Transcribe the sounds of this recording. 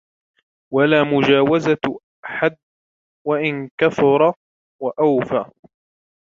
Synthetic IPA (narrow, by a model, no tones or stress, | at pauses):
walaːmʊd͡ʒaːwaza | aħad̪̚ | waʔɪnkaθʊɾˤɑ | waʔawfaː